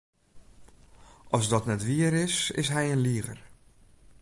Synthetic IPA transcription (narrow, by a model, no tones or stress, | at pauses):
ʔɔsdɔtnɛtʋiəɾɪsɪ̰sɦɛjənliəɣə̰r